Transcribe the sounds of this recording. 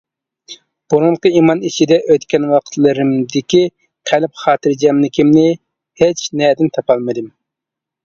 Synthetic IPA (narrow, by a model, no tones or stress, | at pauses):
b̥uɾud̪qəimɑnit͡ʃʰid̪ɛʔøt̪kʲɛnwɑqʰə̥t̪ʰlˠɨɾɪmd̪ɪkʲi | qʰælɪp̚χɑːt̪ɨɾd͡ʒɛmnɪkʲʰimnɪ | het͡ʃnɛd̪ɪnt̪ʰɑpɑlˠmɨd̪ɨm